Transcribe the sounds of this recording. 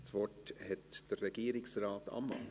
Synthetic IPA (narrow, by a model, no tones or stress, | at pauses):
t͡svɔʈhɛt̪d̥̪ərɛɡ̥iːɾɪksraːt̪a̰mːɑ̰n